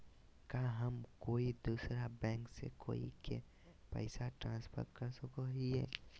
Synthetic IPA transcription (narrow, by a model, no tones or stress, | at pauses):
kaːɦəmkoːid̪uːsɾabɛ̃ːŋksḛko̰ːḭke | pə̰ɪsaʈɾãːnspʰə̰ɾkəɾsʊkoɦiɦɛ̰ː